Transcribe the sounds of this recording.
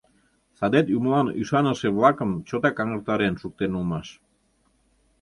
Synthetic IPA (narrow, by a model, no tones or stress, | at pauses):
sɑd̪et̪umlɑnyʃɑnəʃeβlɑkəmt͡ɕot̪ɑkɑŋəɾt̪ɑɾenʃuk̚t̪enulmɑʃ